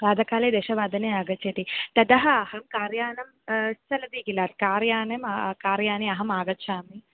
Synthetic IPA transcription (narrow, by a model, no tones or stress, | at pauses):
ɾaːd̪ʱɐkaːleːd̪eːʃɐʋaːd̪ʱɐneaːɡɐt͡ʃʰet̪it̪ɐd̪ɐɦɐɐhɐmkaːɾjaːnɐm | ssɐlɐd̪iːɡilaːt̪̚kaːɾjaːnɐmkaːɾjaːneɐɦɐmaːɡɐtːʃʰaːmi